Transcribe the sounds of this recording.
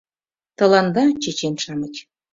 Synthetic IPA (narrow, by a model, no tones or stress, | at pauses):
t̪ɤ̆lɑnd̪ɑt͡ɕet͡ɕenʃɑmə̆t͡ɕʲ